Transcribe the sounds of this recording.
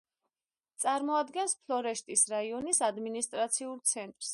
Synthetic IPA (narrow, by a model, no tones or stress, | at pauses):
t̪sʼaɾmɔad̪ɡɛnspʰlˠɔɾɛʃt̪ʼisɾaiɔnisad̪minist̪ʼɾat̪sʰiulˠt̪sʰɛnt̪ʼɾs